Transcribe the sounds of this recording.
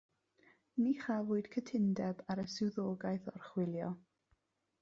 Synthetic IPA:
niːχavʊːɨd̥kʰətʰɪndɛbaɾəsɪwðoːɡajθɔrχwɪlˠjɔ

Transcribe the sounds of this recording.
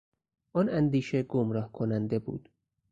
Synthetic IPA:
ʔɔnænd̪iːʃeɡomɾɒːhkʰonænd̪ebṵːd̪̥

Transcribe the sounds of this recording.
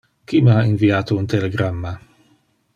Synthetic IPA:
kiməainviaːt̪ount̪eleɡɾamːa

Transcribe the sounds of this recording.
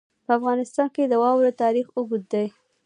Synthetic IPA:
pəafɣɑnɪst̪ɑnked̪əwɑwɾot̪ɑɾixuɡut̪̚d̪aj

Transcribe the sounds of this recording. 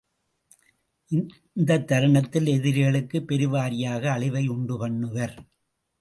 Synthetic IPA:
ʔɪ | nd̪ɐt̪ːɐɾɐɳɐt̪ːɪlɛðɪɾɣɐɭɯkːɯpːɛɾɯʋaːɾɪjaːɣɐːɭɪʋɐɪʊɳɖɯpɐɳːɯʋɐɾ

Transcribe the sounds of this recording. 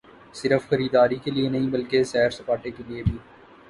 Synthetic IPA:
sɪɾəfxɐɾiːd̪aːɾikelienɐɦĩbɐlkesɛːɾsɐpaːʈekeliebʱiː

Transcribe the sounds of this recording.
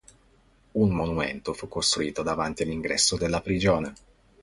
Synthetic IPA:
unmonumḛnt̪ofukːost̪ɾuiːt̪od̪avant̪ialiŋɡɾɛ̰sːod̪elːapɾid͡ʒoːne

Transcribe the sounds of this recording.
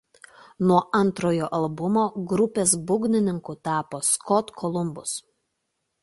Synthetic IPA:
nuɔʔɐnˑt̪ɾoːjoːʔɐlˠbʊmoːɡɾʊpʲeːs̬bʊɡʲnʲɪnʲɪŋkʊt̪ɑːpoːskɔt̪kʰɔlˠʊmbʊs

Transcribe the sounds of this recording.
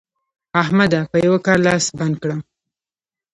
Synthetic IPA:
aɦmad̪apəjawakɑɾlɑsband̪̚kɽam

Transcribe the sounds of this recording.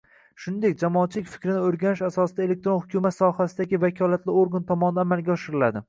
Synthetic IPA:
ʃʊnd̪e̞k̚ʲd͡ʒamɒːt̪̚t͡ʃʰɪlɪkʲfɪ̥kʲɾɪnɪɵɾɡʲanɪʃasɒsɪd̪aelek̚t̪ɾonhʊkʲʰumat̪sɒhasɪd̪aɡʲɪvakʲʰɒlat̪lɪoɾɡant̪ʰɒmɒnɪd̪aamalɡʲaɒʃɪɾɪlad̪ɪ

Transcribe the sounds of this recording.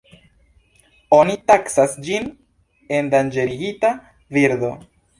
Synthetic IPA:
onitaksasd͡ʒin | e̞ndand͡ʒe̞ɾiɡita | viɾdo̞

